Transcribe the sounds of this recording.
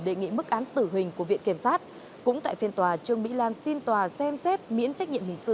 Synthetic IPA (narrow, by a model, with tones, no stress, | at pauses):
ɗe˨˩ŋḭ˧˨mɨ˦˥k̚ʔaː˨˦nt̪ɨ˧˩ɦï˨˩ŋ̟ku˧˩əvḭ˧˨ənki˧˩əmsaː˦˥t̚ | kʊ̰˧˥ŋ͡mt̪a̰ː˧˨jfi˧ənt̪waː˨˩t͡ɕɨ˧əŋmḭ˧˥laː˧nsi˧nt̪waː˨˩sɛ˧msɛ˦˥t̚mḭ˧˥ənt͡ɕa˦˥k̚ɲḭ˧˨mhï˨˩ŋ̟sɨ̰˧˨